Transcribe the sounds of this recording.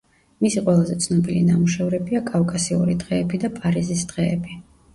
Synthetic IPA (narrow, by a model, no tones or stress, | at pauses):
misiqʼwɛlˠazɛt̪sʰnɔbilḭnamuʃɛvɾɛbiakʼafkʼasiṵɾid̪ʁɛːbid̪apʼaɾizisd̪̥ʁɛːbi